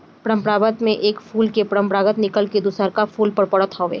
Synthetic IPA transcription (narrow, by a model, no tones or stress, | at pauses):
pɾə̃mpɾaːbət̪mẽʔeːkfʰuːlkepɾə̃mpɾaːɡət̪nɪkəlked̪ʊsəɾkafuːlpəɽpɐɽət̪ɦɔːʋḛː